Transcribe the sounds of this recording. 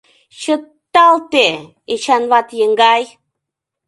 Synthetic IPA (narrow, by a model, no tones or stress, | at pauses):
ɕət̪ːalt̪e | eɕanvat̪jəŋɡaj